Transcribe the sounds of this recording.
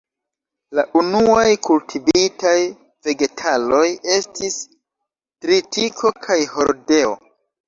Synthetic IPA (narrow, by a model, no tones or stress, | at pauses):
laʔunuajkultʰivitaj | ve̞ɡe̞tʰalo̞je̞stis | tɾitikʰo̞kʰajho̞ɾde̞o̰